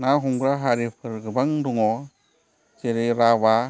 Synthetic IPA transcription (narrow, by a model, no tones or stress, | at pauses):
naɦuŋɡɾaɦaɾipʰɯɾɡɯbaŋduŋɔ | t͡ʃeɾeɾaβa